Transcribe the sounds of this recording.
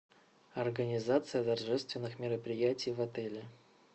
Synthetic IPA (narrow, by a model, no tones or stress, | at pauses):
ɐrɡənʲɪzat̪sɨjət̪ɐrʐɛst̪vʲɪnːɨxmʲɪɾəpɾʲɪjætʲɪjvɐt̪ɛlʲɪ